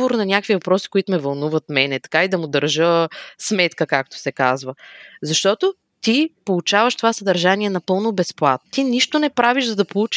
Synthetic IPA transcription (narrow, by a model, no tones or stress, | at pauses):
voɾnɐnʲjakvivɐpɾɔsi̥koit̪ʊmɛvɐlˠnuvɐt̪mɛnɛt̪ɐ̥kaid̪ɐmʊd̪əɾʒəsmɛt̪kəkak̚t̪o̥sɛkazvəzɐʃt̪ɔt̪o | t̪ipolˠut͡ʃavəʃt̪ovasəd̪ɐɾʒaniɛnɐpɤlˠnobɛsplˠat̪̚t̪iniʃt̪onɛpɾaviʒzɐd̪ɐpolˠut͡ʃ